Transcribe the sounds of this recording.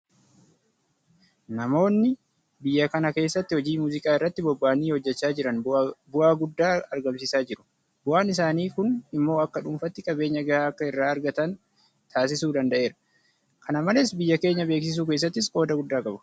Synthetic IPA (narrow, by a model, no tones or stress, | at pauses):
nɐmo̞ːnːɪ | bɪjːɐkɐnɐke̞ːsːɐt̪ːɪhɔd͡ʒiːmuːzɪkʼaːɪrːɐt̪ːɪbɔbːaːniːhɔd͡ʒːɛt͡ʃːaːd͡ʒɪɾɐnbʊʔaːɡʊd̪ːaːɐɾɡɐmsɪsaːd͡ʒɪɾʊ̥ | bʊʔaːnɪs̬aːniːkʊnɪmːo̞ːɐkːɐᶑʊmfɐt̪ːɪkʼɐbe̞ːɲːɐɡɐhaːɐkːɐɪrːaːɐɾɡɐt̪ɐn | t̪ʰaːs̬ɪsuːd̪ɐnd̪ɐʔe̞ːɾɐ̥ | kʰɐnɐmɐlɛsbɪjːɐke̞ːɲːɐbe̞ːks̬ɪs̬uːkeːs̬ːɐt̪ːɪskʼo̞ːd̪ɐɡʊd̪ːaːkʼɐbʊ̥